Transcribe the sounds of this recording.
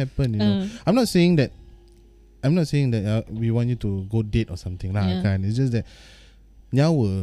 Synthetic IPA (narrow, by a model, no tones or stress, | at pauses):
ɛpə̃njunoãjmnɔt̚seɪ̃ŋdɛt̚ | ãjmnɔt̚seĩŋdɛt̚awiwɔ̃njutuɡodetɔsãmt̪ĩŋlakʰãnitsd͡ʒasdɛt̚ | nawə